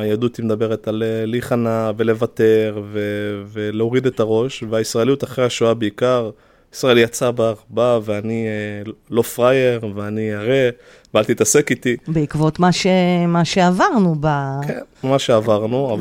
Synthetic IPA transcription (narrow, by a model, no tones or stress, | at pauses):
ajad̪ut̪imed̪abe̞ʁet̪alliχanave̞le̞vat̪e̞ʁve̞veleo̞ʁid̪e̞t̪aʁo̞ʃveaisʁaelijut̪aχʁeaʃoabeikaʁ | isʁaelijat͡sabaʁbaveani | lo̞fʁaje̞ʁveanijaʁe | vealt̪it̪ase̞kit̪ibeikvo̞t̪maʃemaʃeavaʁnubakenmaʃe̞avaʁnuav